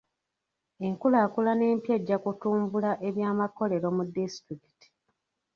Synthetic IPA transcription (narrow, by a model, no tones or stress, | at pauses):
e̞ŋkulaːkulane̞ːmpje̞ɟːakutuːmbulaʔe̞βjaːmako̞le̞ɾo̞mudistɾiki̥ti̥